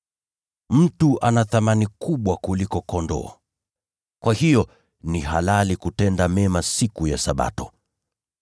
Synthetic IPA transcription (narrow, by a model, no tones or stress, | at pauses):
m̩tuʔanaθamanikuɓwakulikɔkɔndɔ̰ː | kwahijɔ | nihalalikutɛndamɛmasikujasaɓa̰tɔ